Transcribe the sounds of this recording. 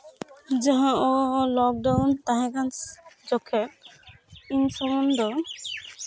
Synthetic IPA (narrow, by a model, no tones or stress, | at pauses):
d͡ʒaɦãolɔk̚ɖawnt̪aɦẽɡansd͡ʒɔkʰːek̚ | insɔmɔnd̪ʱɔ